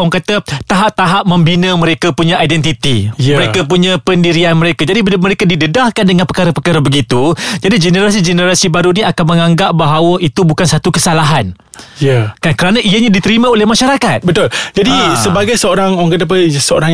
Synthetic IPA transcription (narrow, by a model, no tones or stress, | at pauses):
ɔŋkat̪at̪aɦap̚t̪aɦap̚mə̃mbinãmə̃ɾekapuɲãajdɛnt̪it̪ijməɾekkapuɲãpəndiɾianməɾekad͡ʒadiməɾekadidədahkandəŋãnpəkaɾapəkaɾabəɡit̪ud͡ʒadid͡ʒənəɾas̬id͡ʒənəɾasibaɾuniakanmə̃ŋãŋɡap̚baɦawəʔit̪ubukansat̪ukəsalaɦan | jakankəɾanãʔijaɲãdit̪əɾimãolɛhmaʃaɾakat̪̚bət̪uld͡ʒadisəbaɡajsəoɾaŋoaŋkat̪əp̬asəo̰ɾaŋ